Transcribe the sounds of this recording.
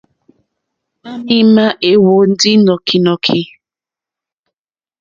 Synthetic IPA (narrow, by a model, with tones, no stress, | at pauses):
ma˦mi˦ma˦ʔe˨wo˨n̩˦dɪ˦nɔ˨kʰi˨nɔ˨kʰi˨